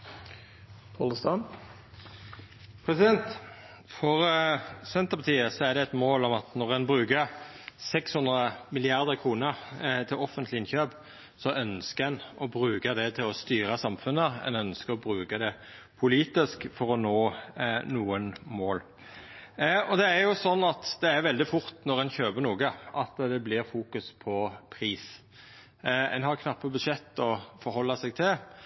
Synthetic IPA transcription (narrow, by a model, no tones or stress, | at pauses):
t̪ʰoləst̪ɑn | pʰɾɛsɪd̪ɛnt̪ | fɔʁsɛnt̪əpɑt̪ʰiːəsɔæʁd̪ɛɛt̪moːlɔmɑt̪nɔʁɛnbʁʉːkəʁ | sɛkshʉnd̪ʁəmɪlɪɑʁd̪əkʰʁuːnəʁt̪ʰɪlɔfənt̪lɪɪnçøːp | sɔʔœnskəɾɛnɔbʁʉːkəd̪ɛt̪ʰɪlɔst̪yːɾəsɑmfʉnːəɛ̰nœnskəɾʁɔbɾʉːkəd̪ɛ | pʰʊliːt̪ɪskfɔɾɔnoːnuːənmoːl | ɔd̪ɛːɾjʊsɔnːɑt̪d̪ɛæɾʋɛld̪ɪfʊɾt̪nɔɾɛnçøːbəɾnuːɡəʔɑt̪d̪ɛblɪʁfuːkʉspʰɔpʰʁiːs | ɛ̰nɦɑʁkʰnɑpːəbʉd̪ʂɛt̪ːɔfɔɾhɔlːɑsɛɡ̚t̪ʰɪl